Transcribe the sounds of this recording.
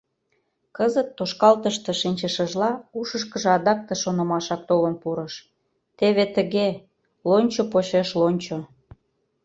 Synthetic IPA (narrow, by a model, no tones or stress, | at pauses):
kəzət̪ːoʃkɑlt̪əʃt̪eʃinʲt͡ɕəʃəʒlɑuʃəʃkəʒĕɑd̪ɑk̚t̪eʃonə̆mɑʃɑk̚t̪olənpuɾəʃ | t̪eβet̪əɣe | lonʲt͡ɕopoɕeʃlonʲt͡ɕo